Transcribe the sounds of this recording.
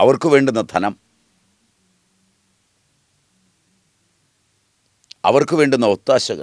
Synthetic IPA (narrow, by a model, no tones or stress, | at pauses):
ɐʋɐrkɨʋe̞ːɳɖunːɐt̪ʰɐnɐm | ɐ̰ʋɐrkɨʋe̞ːɳɖunːɐut̪ːaːɕɐɣɐ̰